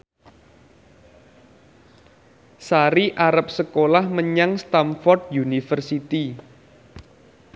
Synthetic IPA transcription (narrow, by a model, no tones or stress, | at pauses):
saɾiʔaɾap̚səkolahməɲaŋst̪amfɔrd̪̚junifərsit̪i